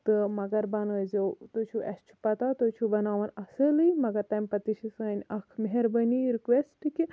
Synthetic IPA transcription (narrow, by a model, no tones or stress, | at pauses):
t̪ɨmɐɡɐɾbɐnɐjzewt̪ot͡ʃʰuʔɐst͡ʃʰu̥pɐt̪at̪ot͡ʃʰubɐnaːʋɐnɐsəlɨjmɐɡɐt̪ajmʲpɐt̪iʃisanʲɐkʰmeɦeɾbɐniɾikʋesʈɨki